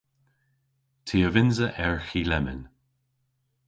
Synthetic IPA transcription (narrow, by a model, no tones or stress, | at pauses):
tʰiːəvɪnzəʔɛɹxilɛmɪ̰n